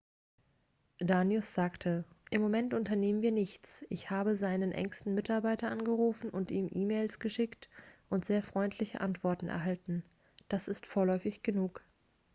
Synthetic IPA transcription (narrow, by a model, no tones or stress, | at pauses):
d̥aːnjʊsz̥aːktʰəʔɪmːomɛntʊntɐneːmənviːɐnɪçt͡sʔɪçhaːbəzaɪnənʔɛ̰ŋstn̩mɪtaɐbaɪtɐʔanɡəʁuːfn̩ʔʊntʔiːmʔiːmeːlsɡ̥əʃɪktʔʊntz̥eːɐfʁ̥ɔʏntʰlɪçə̰ʔantv̥ɔɐtn̩ʔɛ̰ɐɦaltn̩ | d̥asɪstfoːɐlɔʏfɪçɡ̥ənuːk